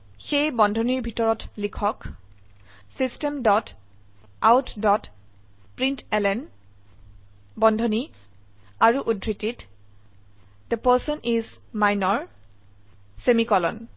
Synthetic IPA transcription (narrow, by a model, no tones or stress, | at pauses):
xejbɔndʱɔniɹbʱitɔɹɔtlikʰɔk | sistɛmdɔt | awtʰdɔt | pɹintɛlɛn | bɔndʱɔni | aɹuʔudʱɹitit | d̪əpəɹsɔnʔiz | majnɔɹ | semikɔlɔ̰n